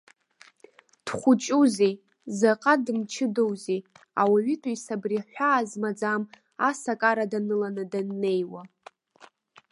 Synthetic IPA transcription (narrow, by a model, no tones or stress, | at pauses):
d̥χʷʊt͡ʃʼuzi | zaqʼadɨmt͡ʃʰɪdo̞wzi | a̰waɥitʼuisabriħʷᶣaːzmad͡zam | asakʼaɾadanɨlanɨdanːe̞jwa